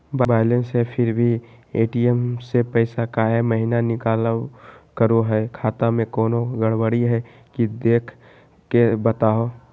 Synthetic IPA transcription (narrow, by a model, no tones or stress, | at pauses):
babaːɪlə̃nsɦɛpʰɪɾbʱieːʈiɛmsepɛɪsakaɦɛməɦinanɪkaːlkəɾoɦɛkʰaːt̪amẽkɔːnoɡəɽwəɽiɦɛ | kid̪eːkʰ | kebət̪aːoː